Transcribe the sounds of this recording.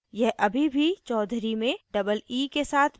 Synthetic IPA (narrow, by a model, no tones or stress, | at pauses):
jɛɦʔɐbʱibʱit͡ʃɔːd̪ʱɾimẽɖɐbəliːkesaːt̪ʰ